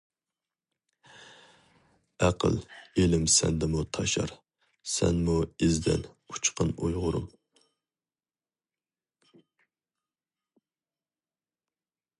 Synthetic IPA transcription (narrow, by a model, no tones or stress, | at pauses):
æqʰə̰lˠelɪmsɛnd̪ɪmut̪ʰɑʃɑ̰ɾ | sɛnmuezd̪ɪ̰nut͡ʃʰqʰənujʁʊɾṵm